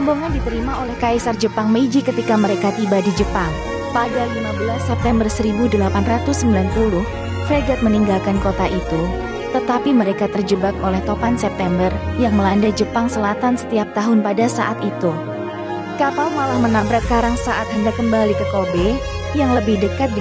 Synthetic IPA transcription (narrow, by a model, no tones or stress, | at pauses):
amboŋadit̪əɾimaolɛhkaisard͡ʒəpaŋməid͡ʒikət̪ikaməɾekat̪ibadid͡ʒəpaŋ | padalimabəlasːɛp̚t̪ɛmbərsəɾibudəlapanrat̪ʊsːəmbilanpulʊh | freɡɛt̪̚məniŋɡalkankot̪aʔit̪u | t̪ət̪apiməɾekat̪ərd͡ʒəbak̚olɛht̪opansɛp̚t̪ɛmbərjaŋməlandajd͡ʒəpaŋsəlat̪ansə̥t̪iap̚t̪aɦʊnpadasaʔat̪it̪u | kapalmalahmənabɾat̪̚kaɾaŋsaʔat̪həndakːəmbalikəkobe | jaŋləbɪhdəkat̪̚d